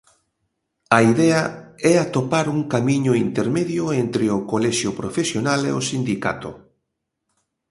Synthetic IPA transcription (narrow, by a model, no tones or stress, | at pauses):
ɐiðɛɐɛat̪opaɾuŋkamiɲʊint̪eɾmeðjʊent̪ɾɪʊkolɛʃjʊpɾofesjonalḛosind̪ika̰t̪ʊ̰